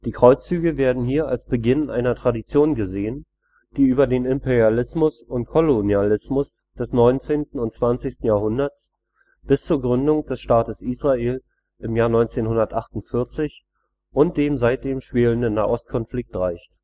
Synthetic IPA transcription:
d̥iːkʁ̥ɔʏt͡st͡syːɡəveːɐdn̩ɦiːɐalsb̥əɡɪnʔa̰ɪnɐtʁ̥adit͡sjoːnɡəzeːən | d̥iːʔyːbɐdeːnɪmpɛʁjalɪsmʊsʊntkʰɔlonjalɪsmʊs | d̥ɛsnɔʏnt͡seːntn̩ʊnt͡sv̥ant͡sɪçstn̩jaːɐhʊndɐtt͡s | b̥ɪst͡suːɐɡʁʏndʊŋd̥ɛsʃtaːtəsʔiːsʁ̥aʔeːl | ʔɪmjaːɐnɔʏnt͡seːnhʊndɐtʔaχtʊntfɪɐt͡sɪç | ʔʊnt̚d̥eːmzaɪt̚d̥eːmʃv̥eːləndənːaːʔɔst̚kʰɔnflɪk̚tʁaɪçt

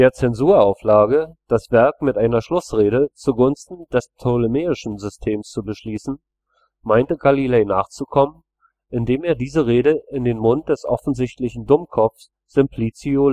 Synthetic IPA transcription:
d̥eːɐt͡sɛnzuːɐaʊflaːɡəd̥asv̥ɛɐkmɪtʔaɪnɐʃlʊsʁeːɾət͡suɡʊnstn̩d̥ɛstʰoləmeːɪʃn̩zʏstʰeːmst͡subəʃliːsn̩ | maɪntəɡalileːnaːχt͡sukʰɔmən | ʔɪndeːmeːɐdiːzəʁeːɾəʔɪndeːnmʊnt̚d̥ɛsʔɔ̰fn̩zɪçtlɪçn̩dʊmkʰɔp͡fs | z̥ɪmpʰl̥it͡sio

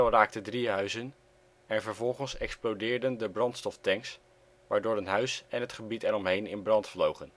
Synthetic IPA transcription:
ɛlˠraːk̚tədriɦœɥzən | ɛnvəɹvɔlˠχənsɛksplowdɪːɹdəndəbrɑntstɔftɛŋks | ʋaːɹdʊːɹənɦœɥsɛnɦətχəbitɛɾɔmɦejnɪnbrɑntflowχən

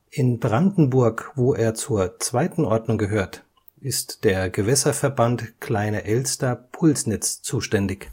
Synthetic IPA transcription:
ʔɪnbʁandn̩bʊɐkvoːʔeːɐt͡suːɐt͡sv̥aɪtn̩ʔɔɐdnʊŋɡəɦøːɐt | ʔɪstd̥eːɐɡəvɛsɐfɛɐbantkl̥aɪnɐʔɛlstɐpʰʊlsnɛt͡st͡suːʃtɛndɪç

